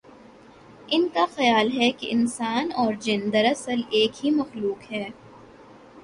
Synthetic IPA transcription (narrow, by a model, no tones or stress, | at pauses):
ɪnkaxɐjaːlɦɛkḛʔɪnsaːnɔːɾd͡ʒɪ̃nd̪ɐɾɐsəleːkɦimɐxluːkɦɛː